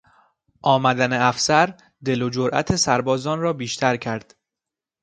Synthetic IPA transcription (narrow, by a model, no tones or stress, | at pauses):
ʔɒːmæd̪æneæfsæɾ | d̪e̞lod͡ʒoɾʔæ̰t̪ʰe̞sæɾbɒːzɒːnrɒːbiːʃt̪ʰæɾcʰæɾd̪̥